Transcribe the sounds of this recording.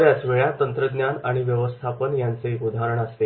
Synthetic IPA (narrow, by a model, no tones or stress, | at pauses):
ʋjasʋeɭjat̪ənt̪ɾəd̪njanaɽ̃iʋjəʋəst̪ʰapənjant͡seʔud̪ʱaɾəɳəst̪e